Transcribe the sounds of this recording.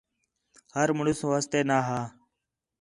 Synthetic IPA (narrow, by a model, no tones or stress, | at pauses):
həɾməɳʊsʋaːst̪eːnaːɦaː